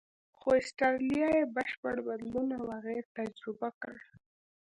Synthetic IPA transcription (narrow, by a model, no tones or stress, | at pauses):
xoɪsʈɑlijɑjebəʃpəɽbad̪lunawaɣeɾt̪ad͡ʒɾɪbakəɽ